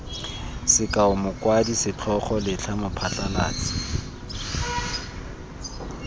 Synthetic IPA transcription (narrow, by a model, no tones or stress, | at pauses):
sɪkʼaʊmʊkwadisɪt͡ɬʰɔχɔlɪt͡ɬʰamʊpʰat͡ɬʼala̰ːt͡sʼi̥